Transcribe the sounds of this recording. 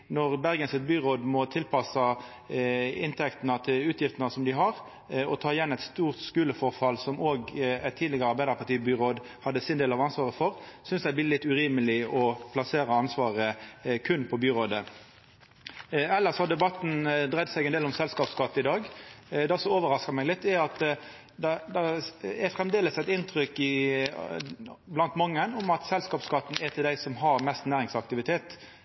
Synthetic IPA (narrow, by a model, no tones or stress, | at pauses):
nɔʁbæʁɡənsɪt̪̚byːʁoːd̪mɔt̪ʰɪlpʰɑsɑ | ɪnt̪ʰɛkt̪nɑt̪ʰɪlʉːt̪jɪft̪ənɑsɔmd̪ɪɦɑʁ | ɔt̪ʰɑːɪjɛnːɛt̪st̪uːʁt̪skʉːləfɔʁfɑlsɔmoːɡæt̪ʰːiːd̪lɪɡəʁəɑʁbæɪd̪əʁpʰɑʁt̪ʰiːbyːʁoːd̪ | hɑd̪ːəsɪnd̪eːlɑʋɑnsʋɑːʁəfɔʁsʏnsd̪æɪblɪːlɪt̪ːʉʁiːməlɪɔpʰlɑseːɾɑɑnsʋɑːʁəkʰʉnpʰɔbyːʁoːd̪ə | ɛlːəʁshɑd̪ɛbɑt̪ːn̩d̪ʁɛd̪sɛɪɡɛneːlɔmsɛlskɑːpskɑt̪ːəɪd̪ɑːɡd̪ɛsɔoːʋəʁɑskɑmɛɪɡlɪt̪ːɛɑt̪ | d̪ɛd̪ɛɛfɾɛmd̪eːləsæɪt̪ɪnt̪ʁʏkːɪ | blɑnt̪mɑŋːənʊmɑt̪sɛlskɑːpskɑt̪ːn̩ɛt̪ʰɪld̪æɪsɔmɦɑɾmɛst̪næːʁɪŋsɑk̚t̪ɪʋɪt̪ʰeːt̪